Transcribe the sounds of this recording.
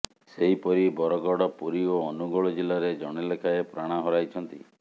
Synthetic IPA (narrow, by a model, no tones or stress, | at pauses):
seɦipɔɾibɔɾɔɡɔɽɔpuɾioɔnuɡɔɭɔd͡ʒilaɾed͡ʒɔɽ̃elekʰaepɾaɽ̃aɦɔɾajt͡ʃʰɔnt̪ḭ